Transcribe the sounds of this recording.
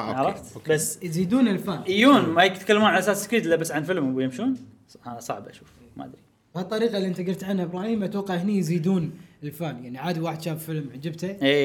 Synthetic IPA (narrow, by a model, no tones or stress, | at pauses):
ʕɑɾˤɑft̪basːjziːd̪uːnɪlfaːnʔijuːnmajɪkt̪kalːmuːnʕalasaːsːɪ̥kɾiːt̪lːabasːʕanfɪlmbjɪmʃuːn | asˤɑ̰ʕbʔa̰ʃuːf | ma̰ʔa̰d̪ɾi | bhat̪ˤːɑɾiːqɑliʔɪnt̪aɡɪft̪ʕanhaʔɪbɾɑːhiːmʔat̪wɑqːɑʕhnijziːd̪uːnɪlfaːnjaʕniʕaːd̪iwaːħəd̪ʃaːbfɪlmʕd͡ʒɪbt̪aeː